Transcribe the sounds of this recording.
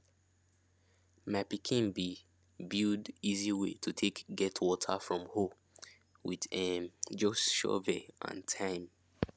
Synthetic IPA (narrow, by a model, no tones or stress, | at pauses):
mapikʰĩnbi | bidiziwetʰutʰekɡɛtʰwɔtʰəfɹɔ̃mho | wiðɛmd͡ʒɔsʃɔ̰vɛʔã̰ntʰãɪ̃m